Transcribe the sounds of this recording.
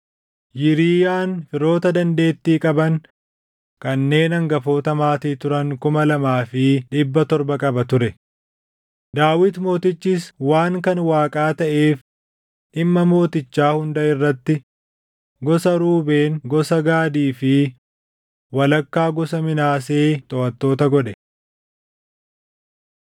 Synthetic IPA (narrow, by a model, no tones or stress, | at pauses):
jɪɾiːjaːnfɪɾo̞ːt̪ɐd̪ɐnd̪e̞ːt̪ːiːkʼɐbɐn | kɐnːe̞ːnɐŋɡɐfo̞ːt̪ɐmaːt̪iːt̪ʊɾɐŋkʊmɐlɐmaːfɪᶑɪbːɐt̪ɔɾbɐkʼɐbɐt̪ʊɾɛ | d̪aːwɪt̪mo̞ːt̪ɪt͡ʃːɪswaːŋkɐnwaːkʼaːt̪ɐʔe̞ːf | ʔɪmːɐmo̞ːt̪ɪt͡ʃːaːhʊnd̪ɐɪrːɐt̪ːɪ | ɡɔsɐɾuːbe̞ːŋɡɔsɐɡaːd̪iːfɪ | wɐlɐkːaːɡɔsɐmɪnaːseːt̪ʼɔʔɐt̪ːo̞ːt̪ɐɡɔɗɛ